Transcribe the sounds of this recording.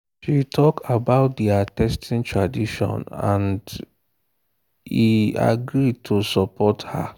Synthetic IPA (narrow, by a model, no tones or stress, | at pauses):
ʃitʰɔkabaʊt̚diatɛstʰĩntʰɹadiʃɔ̰̃nã̰nd | hia̰ɡɾid̚tʰusɔpʰɔtha̰